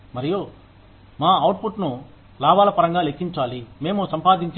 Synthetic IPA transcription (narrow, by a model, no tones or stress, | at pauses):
mɐɾijoː | maːɐwʈpʰuʈnu | laːbaːlɐpɐɾɐŋɡaːlekʰːiɲt͡ʃaːlime̞ːmusɐmpaːd̪iɲt͡ʃ